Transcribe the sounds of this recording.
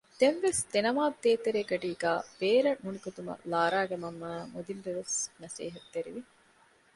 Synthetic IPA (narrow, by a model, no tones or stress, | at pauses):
d̪̥enʋesd̪enɐmaːd̪eːt̪eɾeːɡɐɖiːɡaːb̥eːɾɐʔunikot̪umɐ̰laːɾaːɡɐmɐmːaːmod̪inɾeɾosnɐsḛːɦɐt̪ːeɾiʋi